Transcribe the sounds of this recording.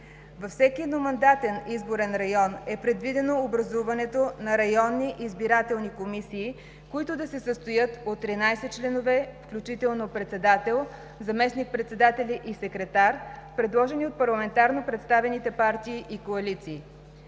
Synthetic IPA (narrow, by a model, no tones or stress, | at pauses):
vɐfsɛkiɛd̪nomɐnd̪at̪ɛnizboɾɛnɾɐjɔnɛpɾɛd̪vid̪ɛnoːbɾɐzuvɐnɛt̪onɐɾɐjɔnːiʔizbiɾat̪ɛlˠnikomisiː | koit̪ʊd̪ɐsɛsəst̪ojɤt̪ot̪ːɾinajsɛt͡ʃlɛnovɛfklʲut͡ʃit̪ɛlˠnopɾɛt̪sɛd̪at̪ɛlˠ | zɐmɛsnik̚pɾɛt̪sɛd̪at̪ɛliʔisɛkɾɛt̪aɾpɾɛd̪lˠɔʒɛniot̪̚pɐɾlˠɐmɛnt̪aɾnopɾɛt̪st̪avɛnit̪ɛpaɾt̪iːʔikoɐlit̪siː